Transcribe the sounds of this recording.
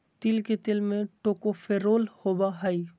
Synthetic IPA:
t̪ɪlket̪ɪlmẽʈoːkofʰeːɾoːlhoːbaɦɐi

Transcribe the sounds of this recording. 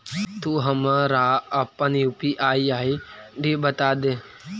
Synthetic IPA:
t̪uɦəmɾaːəpːəniupiʔaːiaːiɖiːbət̪aːd̪eː

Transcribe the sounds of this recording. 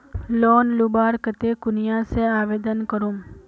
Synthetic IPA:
lonlubaɾkət̪ekʊnijaseaʋed̪ənkəɾum

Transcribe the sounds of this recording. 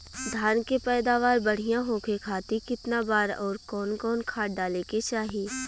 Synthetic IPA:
d̪ʱaːnkepɛːd̪aːʋaːɾbɐɽ̤ijãɦoːkekʰaːt̪ikɪt̪nabaːɾɔːɾkɔːnkɔːnkʰaːʈ̚ɖaːleket͡ʃaːɦiː

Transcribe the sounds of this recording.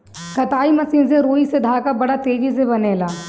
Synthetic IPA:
kɐt̪aːimɐsĩːnseɾoːised̪ʱaːkabɐɽat̪eːd͡ʒis̬ebɐneːlaː

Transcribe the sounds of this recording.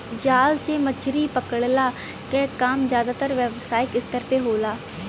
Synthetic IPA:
d͡ʒaːlseːmət͡ʃʰɾiːpəkəɽlaː | kɛːkaːmzjaːd̪aːt̪əɾʋɛʋsaːɪkɪst̪əɾpeːɦoːlaː

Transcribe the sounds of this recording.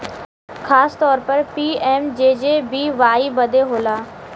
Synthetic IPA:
xaːst̪ɔːɾpəɾpiːɛːmd͡ʑeːd͡ʑeːbiːʋaːibɐd̪ʱeɦoːlaː

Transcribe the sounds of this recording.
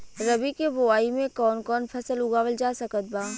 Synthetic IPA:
ɾɐbikebʊaːimẽkɔːnkɔːnpʰɐsəlʊɡaːʋəld͡ʒaːsɐkət̪̚baː

